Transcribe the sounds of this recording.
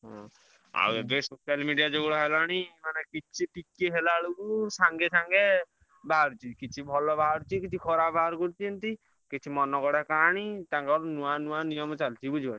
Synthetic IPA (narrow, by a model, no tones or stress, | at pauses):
ɦɔ̰̃ | a̰webesosalmiɖijad͡ʒoɡɔɽɔɦelaɽ̃imanekit͡ʃʰiʈikeɦelaɭukusaŋɡesaŋɡe | baɦaɾut͡ʃʰikit͡ʃʰibʱɔlɔbʱaaɾut͡ʃʰikit͡ʃʰikʰɔɾabʱɦaaɾkɔɾt̪iɔnt̪i | kit͡ʃʰimɔnɔkɔɽakaɽ̃it̪ãŋkaɾunũanũanijɔmɔt͡ʃalt͡ʃʰibud͡ʒʱibãi